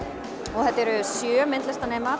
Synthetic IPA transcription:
ɔɣθɛt̪ːɛɾʏsjœːmɪnt̪lɛst̪aneːjma

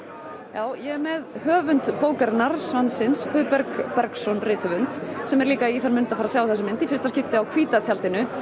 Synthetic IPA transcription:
jaːwjɛɛmɛðhœːvʏnt̪poːwkaɾɪnaɾ̥svansɪnsfʏðpɛɾkpɛɾksɔnrɪːt̪ʰʏvʏnt̪sɛmɛɾliːkaiθanmɪnnt̪afaːɾasaːwaθɛsʏmɪnt̪ifɪ̥rst̪ascɪft̪ɪawkʰviːt̪at̪ʰjalt̪ɪnʏ

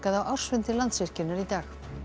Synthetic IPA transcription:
kaðawʔawr̥svɪnt̪ɪɾlant̪svɪr̥cɪnːaɾit̪aːx

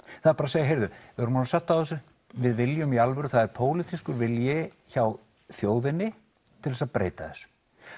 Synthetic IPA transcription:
θaðɾpaɾaseːjaɦejɾðʏvɪœɾmaːnsaht̪ːawθɛsʏ | vɪðvɪljʏmialvɛɾʏθaðɛɾpʰoːwlɪt̪ʰiskʏɾvɪljɛ | çaw | θjoːwðɪnːɪ | t̪ʰɪlvɛsaðpɾḛːjt̪aðɛsʏ̥

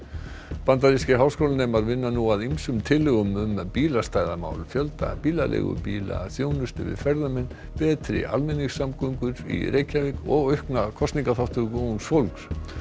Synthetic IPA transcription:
pant̪̬aɾiscɪɦaːwskowlnɛmaɾvɪnːanuaðimsʏmt̪ʰɪlːɪɣʏmʏmːɛpiːlast̪aːjðama̰ːwlfjœlt̪a̰piːlalḛɣʏ̰piːla̰θjoːwnʏst̪ɪvɪ̰ðfɛɾðʏmɛnː | pɛːt̪ʰɾɪ̰ʔa̰lmɪnixsamkɔŋkʏɾḭɾʔeːjcavɪkɔɣœɥhknakʰɔst̪niŋkaθawht̪ʏkonsfowlks

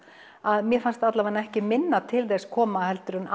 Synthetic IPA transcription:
aðmjɛfanst̪at̪lavanːaɛhcɪmɪnːat̪ʰɪlθɛskʰɔːmahɛlt̪ʏɾʏnʔa

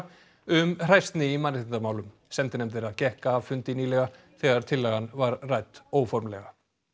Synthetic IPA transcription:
ʏmr̥ajst̪nɪimanːɪ̥ɪnt̪amaːwlʏm | sɛmt̪ɪnɛmθeɾaðcɛhkaːvfʏnt̪ɪniːlɛɣa | θɛɣaɾ̥t̪ʰɪlːɛɣanvaɾrajt̪oːwfɔɾmlɛɣa

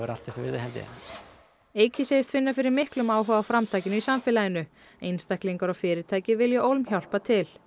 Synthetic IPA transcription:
ɛɾa̰l̥t̪ːɪsɛvɪ̰ðɪɦɛlt̪ɪ̰ɛ̰ | eːjcɪseːjɪst̪fɪnːafɪɾɪɾmɪhklʏmaːwɦœɣawfɾamt̪ʰaːjcɪnʏisamfɪːlajɪnʏ | ejnst̪ahkliŋkaɾɔɣfɪːɾɪɾt̪ʰaːjcɪvɪljɛʔowlmçawl̥pat̪ʰɪl

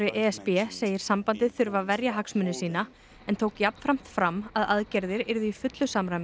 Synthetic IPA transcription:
ɾɪʔɛːɛspɛseːjɪɾ̥sampant̪ɪθʏɾvavɛɾjaɦaksmʏnːɪsiːna | ɛnt̪ʰoːwkjapnfɾam̥t̪fɾamːaðaðcɛɾðɪɾɪɾðʏifʏt̪lʏsamɾajmɪ

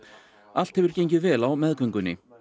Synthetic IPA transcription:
al̥t̪hɛvʏɾ̥cejɲcɪðvɛːlawmɛðkœŋkʏnːɪ̰

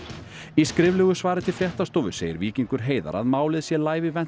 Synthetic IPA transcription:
iskɾɪvlɛɣʏsvaːɾɪt̪ʰɪlfjɛht̪ast̪ɔːvʏseːjɪ̰ɾviːciŋkʏɾ̥ɦeːjða̰ɾa̰ðmaːwlɪðsjɛlaːjvɪvɛn

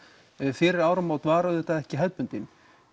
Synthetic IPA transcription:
fɪːɾɪɾaːwɾamaːwt̪vaːɾaðɪt̪aðɛhcɪɦɛlpʏnt̪ɪn

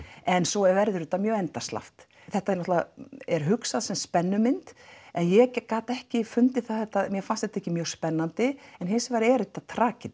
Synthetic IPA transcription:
ɛnsɔɛɾvɛɾðʏɾʏt̪ːamjœːɣɛnt̪ast̪la̰ft̪ | θɛht̪aɛnɔht̪laɛɾɦʏksaðsɛmspɛnːʏmɪnt̪ɛnjɛkaːt̪ɛhcɪfʏnt̪ɪθaðθɛht̪ːaðmjɛfanst̪ɛht̪aɛhcːɪmjœːɣɾ̥spɛnːant̪ɪɛnhɪsɪvaɾɛɾt̪ːat̪ʰɾaːcɪ

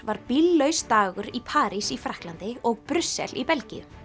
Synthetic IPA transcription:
vaɾpilːœɥst̪aːɣʏɾipʰaːɾisifɾahklant̪ɪɔɣpɾʏsːɛ̰lipɛlcḭjʏ̰

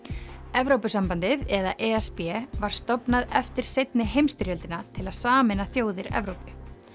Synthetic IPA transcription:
ɛvɾowpʏsampant̪ɪðɛðaʔɛɛspɛvaɾ̥st̪ɔpnaðɛft̪ɪɾ̥sejt̪nɪɦejmst̪ɪɾjœlt̪ɪnat̪ʰɪlaðsaːmɛnaθjoːwðɪɾɛ̰vɾowpʏ

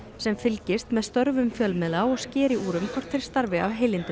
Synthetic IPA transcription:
sɛmfɪlcɪst̪mɛðst̪œɾvʏmfjœlmɪðlaɔɣscɪːɾɪʔuːɾʏmkʰɔr̥t̪θʰɪɾ̥st̪aɾvɪawɦeːjlɪnt̪ɪ

